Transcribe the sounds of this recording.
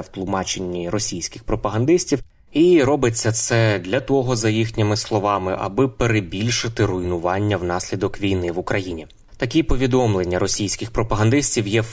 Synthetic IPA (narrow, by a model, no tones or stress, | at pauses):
wt̪lˠʊmɑt͡ʃenʲːiɾɔsʲijsʲkʲɪxpɾɔpɐɦɐnd̪ɪsʲtʲiw | iɾɔbɪt͡sʲːɐt̪sɛd̪ʲlʲɐt̪ɔɦɔzɐjixnʲɪmɪslˠɔʋɑmɪ̰ʔɐ̰bɪpeɾebʲilʲʃɪt̪ɪɾʊjnʊʋɑnʲːɐwnɑsʲlʲid̪ɔkʋʲijnɪʋʊkɾɐjinʲi | t̪ɐkʲipɔʋʲid̪ɔmlˠe̞nʲːɐɾɔsʲijsʲkʲɪxpɾɔpɐɦɐnd̪ɪsʲtʲiwjɛ